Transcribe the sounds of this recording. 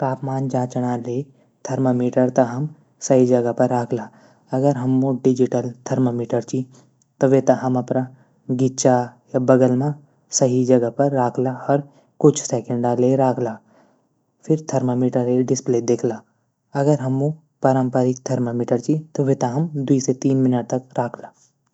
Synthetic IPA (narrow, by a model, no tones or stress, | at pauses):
paːpmaːnd͡ʒãːt͡ʃɽ̃ale | t̪ʰɐɾməmiːʈəɾt̪ɐɦɐm | sɐɦid͡ʒɐɡəpɐɾːaːkʰlaː | ɐɡəɾɦɐmːõɖɪd͡ʒɪʈəlt̪ʰɐɾməmiːʈəɾt͡ʃi | t̪oʋet̪ɐɦɐmɐpna | ɡɪʃajabɐɡəlmã | sɐɦid͡ʒɐɡəpɐɾːaːkʰlaɐɾ | kʊt͡ʃʰsɛːkə̃ɳɖaleɾaːkʰlaː | pʰɪɾt̪ʰɐɾmamiːʈəɾeɖɪspleːd̪eːkʰlaː | ɐɡəɾɦɐmːõ | paːɾə̃mpəɾɪk̚t̪ʰɐɾməmiːʈəɾt͡ʃit̪oʋet̪aɦɐmd̪uiset̪iːnmɪnəʈ̚t̪ɐkɾaːkʰlaː